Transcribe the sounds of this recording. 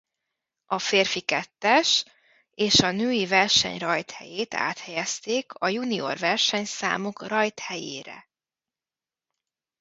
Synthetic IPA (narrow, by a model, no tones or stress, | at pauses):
ʔɒfeːrfikɛt̪ːɛʃ | eːʃɒnøːjivɛrʃɛ̰ɲrɒjt̪hɛ̰jeːt̪a̰ːt̪hɛjɛst̪eːkʰɒjunio̞̰rvɛrʃɛɲsa̰ːmukrɒjt̪hɛjḛːɾɛ̰